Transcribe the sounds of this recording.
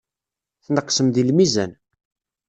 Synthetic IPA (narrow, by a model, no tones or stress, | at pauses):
θnəqːsəmðilmizæn